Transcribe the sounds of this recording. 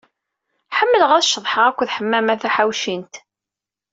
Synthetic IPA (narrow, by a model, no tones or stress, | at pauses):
ħəmːələʁæðʃəðˤħəʁækʷːðħəmːæmæθæħawʃint̪